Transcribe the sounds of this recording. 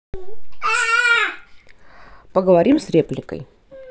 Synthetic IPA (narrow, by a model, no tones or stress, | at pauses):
pəɡəvɐɾʲimsɾʲeplʲɪkə̰j